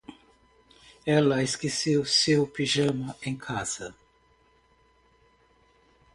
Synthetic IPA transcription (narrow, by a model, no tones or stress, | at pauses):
ɛlɐeskesewsewpiʒɐ̃mɐẽj̃kʰaz̥ɐ